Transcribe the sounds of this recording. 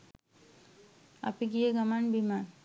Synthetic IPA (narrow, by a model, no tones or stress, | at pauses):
a̰piɡijeɡamanbiman